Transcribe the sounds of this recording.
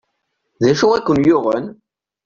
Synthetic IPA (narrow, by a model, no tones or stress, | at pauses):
ðæʃʊækʷːənjʊʁən